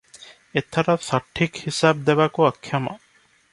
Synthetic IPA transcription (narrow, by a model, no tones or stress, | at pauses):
et̪ʰːɐɾɐsɐʈʰːikhisaːb̚d̪eʋakuɐkʰjɐmɐ